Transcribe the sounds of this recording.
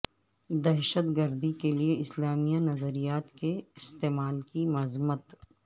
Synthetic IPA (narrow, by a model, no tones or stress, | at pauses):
d̪ɛɦʃət̪ɡəɾd̪ikelieɪslaːmijanɐzəɾijaːt̪keɪst̪eːmaːlkimɐzmət̪